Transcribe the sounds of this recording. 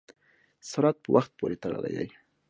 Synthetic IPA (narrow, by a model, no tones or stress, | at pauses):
saɾat̪̚pəwʔaxt̪̚poɾet̪aɽa̰la̰ja̰j